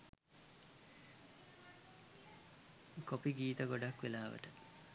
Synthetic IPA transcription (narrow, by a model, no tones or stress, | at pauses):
kopiɡiːt̪əɡoɖakʋelaːʋə̰ʈə